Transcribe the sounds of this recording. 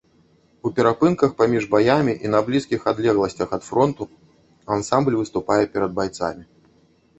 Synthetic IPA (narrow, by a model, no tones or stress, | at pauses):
upʲɛɾapɨnkɐxpamʲiʐbajamʲiʔinɐblʲiskʲixad̪lʲɛɣlˠɐsʲt͡sʲɐxɐt̪fɾɔnt̪u | ansamblʲvɨst̪upajɛpʲɛɾɐd̪̚bajt̪sa̰mʲi